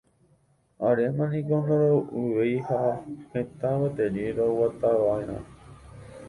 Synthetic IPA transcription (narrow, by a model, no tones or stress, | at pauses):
aɾemãnĩkond̪oɾouʋejhahẽt̪ãβat̪eɾiɾowat̪aʋaeɾ̃ã̰